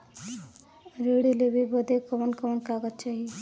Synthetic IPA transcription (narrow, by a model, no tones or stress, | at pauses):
ɾeɽilebʱibəd̪ekəʋənkəʋənkaɡət̪̚t͡ʃaːɦi